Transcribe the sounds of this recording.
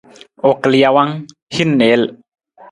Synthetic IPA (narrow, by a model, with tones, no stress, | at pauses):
ʔo˨klia˧wa˦ŋ | hi˦˥nːe˨˦l